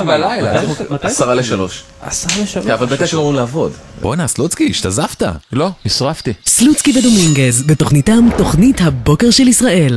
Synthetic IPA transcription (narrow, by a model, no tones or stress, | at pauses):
belajlaasaʁaleʃalo̞ʃ | asaavalbet̪eʃanoimlaːvo̞d̪ | bonaslut͡skiʃt̪azaft̪a̰lonisʁaft̪islut͡skivedumiŋɡezbeto̞χnitamto̞χnithabo̞ke̞ʁʃelisʁaʔe̞l